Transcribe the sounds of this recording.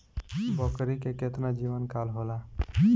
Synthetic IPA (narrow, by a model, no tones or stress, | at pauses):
bɔkɾikeket̪nad͡ʒiʋənkalɦola